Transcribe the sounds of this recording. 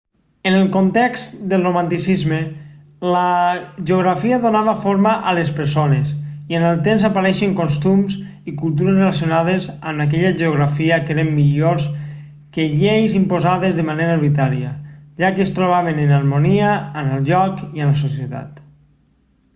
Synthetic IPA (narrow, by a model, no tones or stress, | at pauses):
enelˠkont̪ɛkst̪d̪elˠromant̪isizme | ləʒeoɣ̞ɾafiəðonaβafoɾmaʔalespeɾsonezienelˠt̪emzapaɾɛʃeŋkonst̪umz | ikulˠt̪̬uɾezrelasjonað̞ezəmak̬ɛʎaʒeoɣ̞ɾafiəkeɾemːiʎoɾs | keʎejzimpozaðezðemaneɾaeɾβit̪aɾiə̰ʒakeːst̪ɾoβ̞aβ̞enenalmoniəːnəlˠʎɔkiələsos̬jet̪a̰t̪